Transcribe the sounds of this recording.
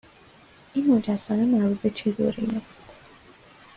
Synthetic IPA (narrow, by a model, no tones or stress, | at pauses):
ʔinmod͡ʒæsɒːnemæɾbuːd̪̚bet͡ʃʰet̪ʰo̰ɾinebd̪̥